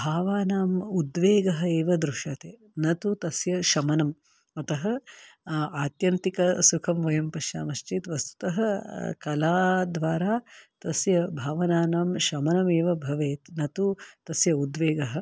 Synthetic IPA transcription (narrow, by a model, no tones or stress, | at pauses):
bʱaːʋaːnaːmud̪ʋeːɡɐɦɐ̆eːʋɐd̪ɾuʃɐt̪eː | nɐt̪ut̪ɐsjɐʃɐmɐnɐm | ɐt̪ɐɦɐ | aːt̪jɐnt̪ikɐsukʰɐmʋɐjɐmpɐʃja̰ːmɐʃt͡ʃit̪ʋɐst̪u̥t̪ɐɦɐkɐlaːd̪ʋaːɾaːt̪ɐsjɐbʱaːʋɐnaːnaːmʃɐmɐnɐmeːʋɐbʱɐʋeːt̪nɐt̪ut̪ɐsjɐud̪ʋeːɡɐɦɐ